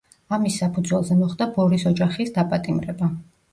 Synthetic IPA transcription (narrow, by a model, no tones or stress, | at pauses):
amisːapʰud̪zwɛlˠzɛmɔχd̪abɔɾisɔd͡ʒaχisd̪apʼat̪ʼimɾɛba